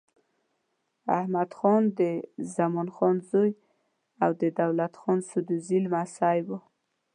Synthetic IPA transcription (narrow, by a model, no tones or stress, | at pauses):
a̰hmad̪xɔnd̪əzamɔnxɔnzoj | awd̪əd̪awlat̪xɔnsud̪uzilmasajbo